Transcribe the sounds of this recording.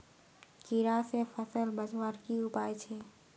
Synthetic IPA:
kiɾasepʰəsəlbəd͡ʒwaɾkiʊpaːjt͡ʃʰe

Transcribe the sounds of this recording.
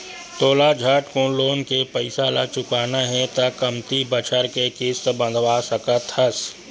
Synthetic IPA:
t̪oːlad͡ʒʱaːʈkõloːnkepɐɪsalat͡ʃʊkaːnaɦɛt̪akɐmt̪ibət͡ʃʰəɾkekɪst̪bə̃nd̪ʱwaːsəkət̪həs

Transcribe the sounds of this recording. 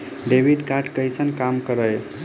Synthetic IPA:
ɖebʱiɖkaʈkəjsʰənkamkəɾəj

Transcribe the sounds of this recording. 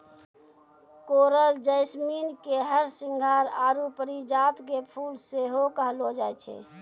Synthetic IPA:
koɾəld͡ʒəɪsminkeɦəɾsiŋɡʱaɾaːɾupəɾid͡ʒat̪kepʰuːlseɦokəɦlod͡ʒajt͡ʃʰɛ̰

